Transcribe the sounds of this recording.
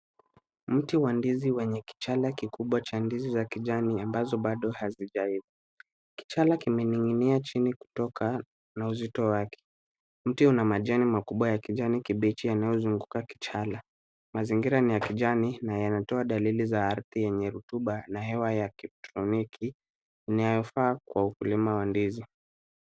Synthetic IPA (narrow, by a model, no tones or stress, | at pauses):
m̩tiwandiziwɛɲɛki̥t͡ʃalakikuɓwat͡ʃandizizakiʄaniambazɔɓaɗɔhaziʄaiðu | ki̥t͡ʃalakimɛniŋiniat͡ʃiniku̥tɔka | nauzitɔwakʰɛ̥ | m̩tiunamaʄanimakuɓwajakiʄanikiɓit͡ʃijanajɔzuŋɡukaki̥t͡ʃala | maziŋɡiɾanijakiʄaninajanatɔaɗalilizaaɾθijɛɲɛɾutuɓanaɦɛwajakɛtɾɔnikiː | najɔfaːkwaukulimawandizi